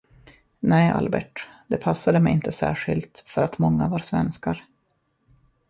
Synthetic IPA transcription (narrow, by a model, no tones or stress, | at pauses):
nɛːʔa̰lbɛ̰ʈ | d̪ɛpʰasːad̪əmɛjɪnt̪ʰəsæ̰ːʂɪlt̪fœɾat̪mɔŋːavaɾsvɛnskaɾ